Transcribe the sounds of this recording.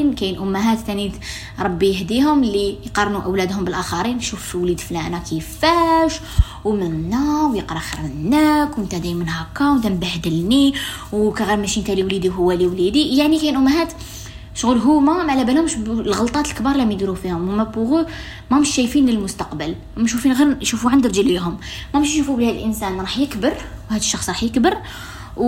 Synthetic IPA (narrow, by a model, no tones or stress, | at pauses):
nkæjənʔʊmːɦæt̪ːænt̪ | ɾˤɑbːijhd̪iɦʊmlijqɑrˤnuʔəwlæd̪hʊmbəlʔæxɑɾinʃufʃiwlid̪flænækəfæʃ | wmənnənːæwjəqɾˤɑxəɾmənːækwənt̪æd̪æjmənhækːɑwt̪æmbahd̪əlni | wkæɣæɾmæʃint̪æliwlid̪iwɦʊwːæliwlid̪ijaʕnikæjənʔʊmːɦæt̪ | ʃɣulɦumæmaʕlæbænʊmʃlɣəlt̪ˤɑt̪əlkbɑɾˤɑlæmjd̪ɾufihʊmhmæbuɣu | mæməʃːæjfinləlmʊst̪ɑqbəl | məʃufinɣiɾʃufuʕand̪əɾʒəliɦʊmmæmʃnʃufubəlhæd̪əlʔənsænɾˤɑħjəkbəɾwhæd̪əʃːɑxsˤɾˤɑħjəkbəɾ